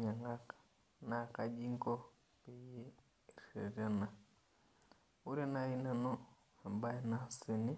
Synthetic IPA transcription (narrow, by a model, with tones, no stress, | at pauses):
ɲa˨ŋa˦k | na˨ka˨d͡ʒi˦ŋko˦ | pe˨je˦˨ | ɾḛ˨ɾa˦na˨ | u˦ɾe˦na˨i˦na˦no˦˨ | ba˦na˦si˨ni˦